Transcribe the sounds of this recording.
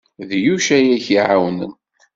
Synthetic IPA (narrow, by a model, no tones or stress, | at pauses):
ðjuʃæjæçiʕawnə̰n